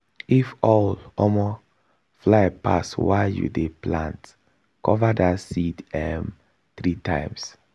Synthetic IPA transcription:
ifɔlɔmɔ | flapa̰swajṵdeplãnt | kɔvadasidɛm | θɹitãɪms

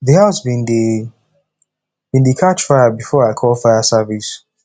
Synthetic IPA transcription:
ðihaʊsbĩndi | b̥ĩndikʰat͡ʃfaɪəbifɔɹaɪkʰɔlˠfaɪəsɛvis

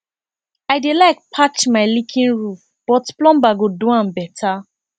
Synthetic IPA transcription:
aɪdelaɪk̚pʰat͡ʃmaɪlikʰĩnɹuf | b̥ɔtplɔ̃mbaɡoduãmbɛtʰa

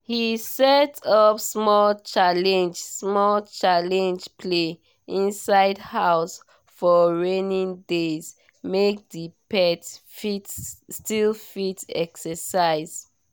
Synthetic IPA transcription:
hisɛtʰɔpsmɔlt͡ʃalɛ̃nd͡ʒsmɔlt͡ʃalɛ̃nd͡ʒpʰle | ĩnsaɪdhaʊs | fɔɹenĩndez | mek̚dipɛtfitstilfitɛ̰ksəsaɪz̥

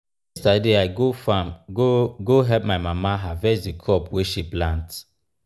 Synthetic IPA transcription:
ɛstadeaɪɡofãmoɡoɦɛlp̚maɪmamaɦavɛt͡ʃdikʰɔpweʃiplãnt

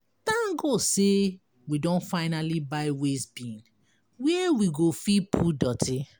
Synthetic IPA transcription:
tãnɡose | widɔ̃nfaɪnalibaɪwesbĩn | wɛwiɡofipʰudɔtʰi

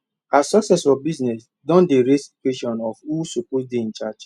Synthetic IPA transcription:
asɔksɛsɔbiznɛs | dɔ̃ndeɹestweʃɔ̃nɔfhusuposdiĩnt͡ʃat͡ʃ

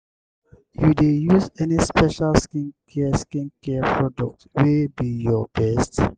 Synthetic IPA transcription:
judejusɛnispɛʃalskĩnkʰɛskĩnkɛpɹɔdɔk̚twebijɔb̥ɛst

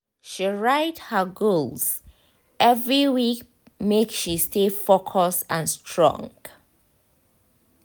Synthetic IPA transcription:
ʃiɹaɪthəɡolz̥ | ʔɛvɹiwik | mekʃistʰefokʰəsə̃nstʰɹɔ̰̃ŋɡ

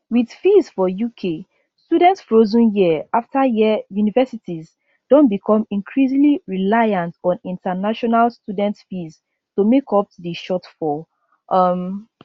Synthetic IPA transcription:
wið̥fizfɔjukʰe | studɛ̃ntsfɹozũnjiəaftʰajijunivɛsitiz | d̥ɔ̃nbikʰɔ̃mĩŋkʰɹizĩŋliɹilajãntɔ̃nĩntanaʃɔnalstudɛ̃ntfiz | tomekʰɔp̚diʃɔtfɔ | ʔʌm

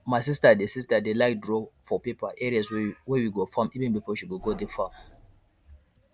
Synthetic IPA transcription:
maɪsistadesistadelaɪdɹofɔpipaʔɛɹiaswɛwiɡofãmivɪ̃npipolʃuɡoɡodefam

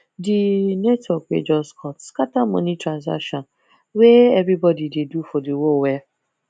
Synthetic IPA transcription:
dinetɔkwḛd͡ʒɔskʰɔtskatamɔ̰̃nitɾãnza̰kʃɔ̃n | weevɾibɔdidedufɔdiwowɛ

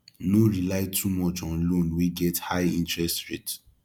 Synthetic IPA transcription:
noɹilaɪtʰumɔt͡ʃɔ̃nlõnwiɡɛthaɪĩntɹɛstɹet

